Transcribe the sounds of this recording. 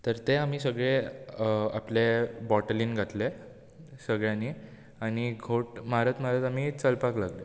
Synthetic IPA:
t̪əɾt̪eam̤iːsəɡɭe | aplebɔʈəliːnɡʱat̪le | səɡɭjãniː | añiɡʱoʈmaɾət̪maɾət̪am̤iːt͡səlpaklaɡle

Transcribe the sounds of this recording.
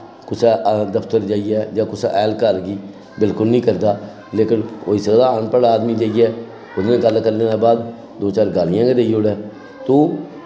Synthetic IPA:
kʊt͡ʃʰɛd̪əpʰt̪əɾd͡ʒaːijɛːd͡ʒãːkʊsɛːlkəɾɡiː | bɪlkʊlnĩːkəɾd̪aː | leːkɪnoːiːsəɡd̪aːaːnpəɽaːd̪miːd͡ʒaːijɛː | ʊd̪nẽːɡəlkəɾleːnaːbaːd̪ | d̪oːt͡ʃaːɾɡaːlɪjãːɡed̪eːijoːɽɛː | t̪oː

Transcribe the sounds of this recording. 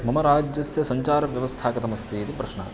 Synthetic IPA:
mɐmɐɾaːd͡ʒjɐsjɐsɐɲt͡ʃaːɾɐʋjɐʋɐst̪ʰaːkɐt̪ɐmɐst̪ʰiːt̪ipɾɐʃɳa̰ː

